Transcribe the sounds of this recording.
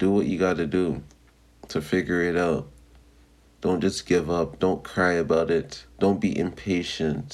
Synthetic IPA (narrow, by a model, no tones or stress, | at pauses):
d̥əwʌt͡ʃɨɡɑɾɨdɨ | tʰɨfɪɡjə˞ɪɾaʊt̚ | d̥õʊ̃nd̥ʒ̥ʌsɡ̥ɪvʌp̚d̥õʊ̃nkʰɹ̥aɪɨbaʊɾɪtd̥õʊ̃nb̥iʔɨ̃mpʰeɪʃɨ̃nt